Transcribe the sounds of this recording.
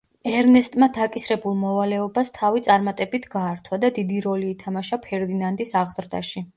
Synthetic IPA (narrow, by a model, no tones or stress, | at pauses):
ɛɾnɛst̪ʼmad̪akʼisɾɛbulˠmɔvalɛɔbast̪ʰavit̪sʼaɾmat̪ʼɛbit̪ʰɡaːɾt̪ʰwad̪ad̪id̪iɾɔliːt̪ʰamaʃapʰɛɾd̪inand̪ʼisaʁz̥ɾd̪a̰ʃi